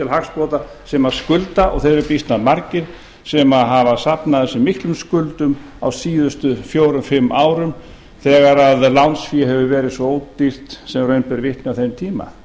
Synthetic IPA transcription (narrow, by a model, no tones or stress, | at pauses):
ɪlhakspoːt̪a | sɛmaðskʏlt̪aʔɔ̰ɣθejðɾɛɾpist̪naðmaɾcɪɾ̥ | sɛmaðɦavasapnaðθɛsːʏmːihk̪lʏmskʏlt̪ʏm | awsiːðʏst̪ʏfjoːwɾʏmfɪmːʔaːwɾʏm | θɛːɣaɾaðlawnsfiɦɛvʏvɛːɾɪðsvɔoːw̪ir̥t̪sɛmrœːɥnpɛɾvɪht̪nɪawθejnt̪ʰiːma̰